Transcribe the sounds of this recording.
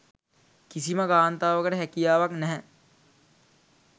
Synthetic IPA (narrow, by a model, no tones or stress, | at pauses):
kisiməɡaːnt̪aːʋəkəʈəɦækijaːʋaknɛɦɛ